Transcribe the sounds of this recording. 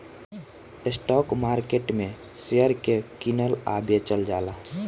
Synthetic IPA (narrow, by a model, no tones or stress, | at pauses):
esʈɔkmaɾkeʈmẽ | sejəɾkekinəla̰bet͡ʃəld͡ʒala